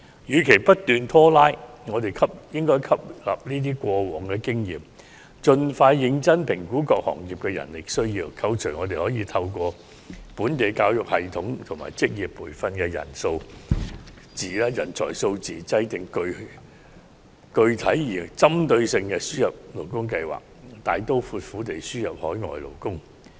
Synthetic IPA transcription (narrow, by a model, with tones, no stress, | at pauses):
jyː˨kʰe˨˩pɐ˥t̚t̪ːyː˨nt̪ʰɔː˥laː˥jŋɔː˨˧t̪e˨˩jkʰɐ˥p̚jɪ˥ŋkɔː˥jkʰɐ˥p̚la̰ː˨p̚niː˥t̪̬iː˥kʷɔː˧wɔː˨˩ŋkɛ˧kɪ˥ŋjḭː˨˩m | t͡ʃɵ˧nfaː˧jːɪ˧ŋt͡sɐ˥npʰɪ˨˩ŋkuː˨˥kɔː˧k̚hɔ̰ː˨˩ŋjiː˨˩p̚kɛ˧jɐ̰˨˩nlɪ˨k̚sɵ˥ɥjiː˧wkʰɐ˧wt͡ʃʰɵ˨˩ŋɔː˨˧t̪̬e˨hɔː˨˥jiː˨˧t̪ʰɐ˧wkʷɔː˧ | puː˨˥nt̪e˨jkaː˧wjʊ˨k̚hɐ˨jt̪ʰʊ˨˥ŋt̪ʰʊ˨˩ŋma̰ː˨˩jt͡sɪ˥k̚jiː˨pːuː˨˩jfɐ˧nkɛː˧jɐ̰˨˩nso˧w | t͡siː˨lɛ˧jɐ˨˩nt͡sʰɔ̰ː˨˩jso˧wt͡siː˨˩t͡sɐ˧jt̪ɪ˨ŋkɵ˧ɥ | kɵ˧ɥt̪ʰɐ˨˥jːiː˨˩t͡sɐ˥mt̪ɵ˧ɥsɪ˧ŋkɛː˧syː˥jɐ˨p̚lo˨˩wkʊ˥ŋk̬ɐ˧jwa̰ː˨˩k̚t̪aː˨jt̪o˥wfuː˨˧t̚fuː˨˥t̪e˨˩jsyː˥jɐ˨p̚hɔ̰ː˨˥jŋɔ̰ː˨jlo̰˨˩wkʊ˥ŋ